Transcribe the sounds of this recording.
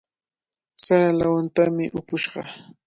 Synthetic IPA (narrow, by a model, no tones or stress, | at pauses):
saɾalawant̪amɪʔʊpʊʃɢɑ